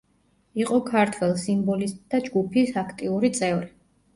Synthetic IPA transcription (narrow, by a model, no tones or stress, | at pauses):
iqʼɔkʰaɾt̪ʰwɛlˠsimbɔlist̪ʼd̪ad͡ʒɡupʰisakʰt̪ʼiuɾit̪sʼɛvɾi